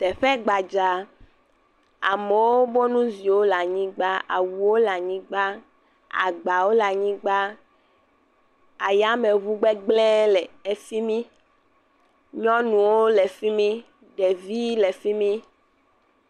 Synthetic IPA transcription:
t̪ɛ˨ɸɛ˦ɡ͡ba˨d͡ʒa˨ | a̰˨me˨wo˦bo˦nũ˦zi˨wo˦la˨ɲĩ˦ɡ͡ba˦a̰˨wu˨wo˦la˨ɲĩ˦ɡ͡ba˦ | a̰˨ɡ͡ba˨wo˦la˨ɲĩ˦ɡ͡ba˦ | a˨ja˦me˨βu˦ɡ͡bɛ˦ɡ͡blɛ̃˦lɛ˨e˨si˦mĩ˦ | ɲɔ̃˦nũ˨wo˦le˨fi˦mĩ˦ | ɖe˨vi˦le˨fi˦mĩ˦

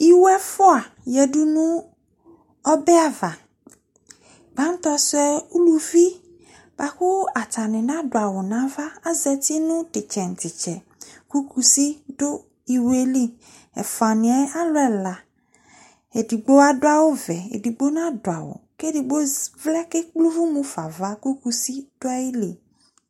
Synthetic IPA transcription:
i˦wɛ˦fʊ˦a˨ | jɛ˨du˦nʊ̃˦ | ɔ˦bɛ˦a˨va˨ | ɡ͡bã˦n˦t̪ɔ˦sʊ˦ɛ˦u˦lu˨vi˦ | b̥a˨kʊ˦a˨ta˨nɪ̃˨nã˦dʊ˨a˨wʊ˨nã˦va˦a˦zɛ˨t̪i˦nʊ̃˦tɪ˨t͡ʃɛ˨n̩˨tɪ˨t͡ʃɛ˨ | ku˦kʰu˨si˦ɖo˦ | i˨we˦li˦ | ɛ̰˨fa˨nĩ˨ɛ˦a˦lo˦ɛ˨la˨ | e˨di˨ɡ͡bo˦a˦ɖo˦a˦wo˦vɛ˨ḛ˨ɖi˨ɡ͡bo˦nã˦do˨a˨wo̰˨ke˦ɖi˨ɡ͡bo˦vlɛ˦ke˦k͡plu˦vu˦mũ˦fa˨va˦ku˦ku˦si˦ɖ̥o˦a˦ji˦li˨

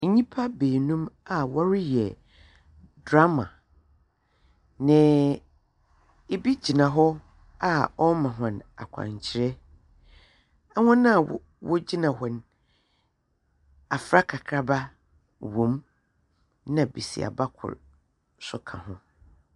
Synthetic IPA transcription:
ɲĩ˦pʰa˦beː˨nũ˦ma˨wɔ˦ɾɪ˦jɛ˨ | dɾa˦mã̰˨ | nɪ̃˨ | e˦bi˦d͡ʑi˨nã˨ɦɔ˦ | a˦ɔ˦mã˨ɦʊ̃˨na̰˨kʷʰã̰˨ɲ˨t͡ɕʰɪ˨ɾɛ˦ | ɛ˦hʊ̃˦nã˦˨w | wɔ˦d͡ʑi˦nã˨hɔ˨n | a˨fɾa˦kʰa˨kʰɾa˦ba˦ | wõ˨˦m | nã˨bi˨sḭ˨a̰˨ba˦kʰʊ̰˨ɾ | sʊ˦kʰã̰˨hʊ̃˦

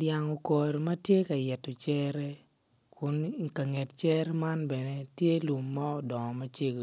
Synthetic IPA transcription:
dja˨ŋo˨kɔ˨ɾmɐ˦tje˦ka˨jɛ˨tːɔ˨t͡ʃɛ˦ɾɛ˦ | kʊ˨nka˨ŋɛ˨tt͡ʃɛ˦ɾɛ˦ma˦nbɛ˨ne˦tje˦lu˨mːa˦ɔ˨dɔ˨ŋ˨mɐ˦t͡ʃe˦ɡ

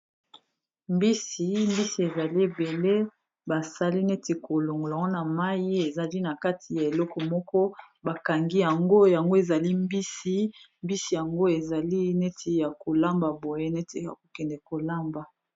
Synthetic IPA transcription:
mbi˦si˨mbi˦si˨e˨za˨li˦e˨be˨le˦ | ba˨sa˦li˦ne˦ti˨ko˨lo˨ŋɡo˨lŋɡo˦na˨ma˦ji˦e˨za˨li˦na˨ka˦tʰi˨ja˨e˨lɔ˦kɔ˨mɔ˦kɔ˦ | ba˨ka˨ŋɡi˦ja˨ŋɡo˦ja˨ŋɡo˦e˨za˨li˦mbi˦si˦ | mbi˦si˨ja˨ŋɡo˦e˨za˨li˦ne˦tʰe˨ja˨ko˨la˦mba˨bo˨je˦ne˦te˨ja̰˨ko̥˨kɛ˨ndɛ˨ko˨la˦mba˨

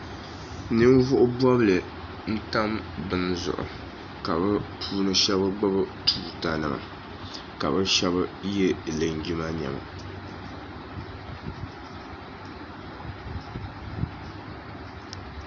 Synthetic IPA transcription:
nɨ˦m˦vʊ˦ʔʊ˦bɔ˦blɨ˨ | n̩˦ta˦mbɨ˦n˦zʊ̰˨ʔʊ̰˨ | ka˨bɨ˦pʰuː˦nɨ˦ʃɛ˦bɨ˦ɡ͡ba˦bɨ˦tʰuː˨ta˨nɨ˨ma̰˨ | ka̰˨bɨ˦ʃɛ˦βɨ˦jɛ˦lɨ˨ŋ˨ɡi˦ma˦ɲɛ̰˨ma̰˨

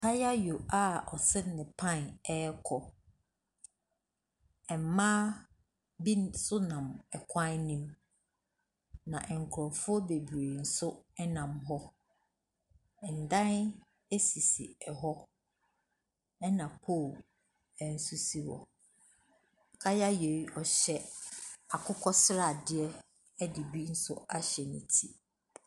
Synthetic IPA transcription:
kʰa˦ja˦jo˨a˦ɔ˨sɛ˦nɪ̃˨pʰã˦˨nɛ˦kʰɔ˨ | ɛ˨m˨˦mãː˦ | bi˦nsʊ˦nã˨mɛ˨kʷʰã˦nnĩ˦m | nã˨ʔɛ˨ŋ̩˨kʰʊ˨ɾɔ̃˨fʊ˦ɔ˦be˨bi˨e˨n̩˨sʊ˦ɛ˦nã˨mɦɔ˦˨ | n̩˨dã˦n | e˦si˨sḭ˨ɛ˨ɦɔ˦ | ɛ˦nã˨pʰo˦˨ | ɛ˨n̩˦˨su˦si˦wɔ̰˨ | kʰa˦ja˦je˨˦ɔ˨ɕɛ˦a˨kʰʊ˦kʰɔ˦sɪ˦ɾa˦˨dɪ˦ɛ˦ | ɛ˦dɪ˨bi˦n̩˦sʊ˦a˦ɕɛ˨nĩ˨tʰi˦

